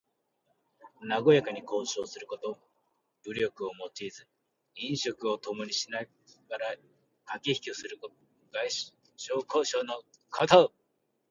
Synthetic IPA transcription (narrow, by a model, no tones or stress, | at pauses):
naɡo̞jakaɲ̟iko̞ːɕo̞ːsɨɾɯ̟ko̞t̪o̞ | b̥ɯ̟ɾʲo̞kɯ̟o̞mo̞t͡ɕiːzɨ | ĩɰ̃ɕo̞kɯ̟o̞t̪o̞mo̞ɲ̟iɕina | ɡaɾa | kakʲiçi̥kʲosɨɾɯ̟ko | ɡai | ɕoːkoɕoːno | kʰat̪aɯ